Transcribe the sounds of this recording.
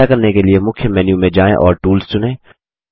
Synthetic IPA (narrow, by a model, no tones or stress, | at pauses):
akɐɾnekeliemʊkʰjəmɛːnjũmẽd͡ʒaːḛ̃ʔɔːɾʈuːlst͡ʃʊnẽː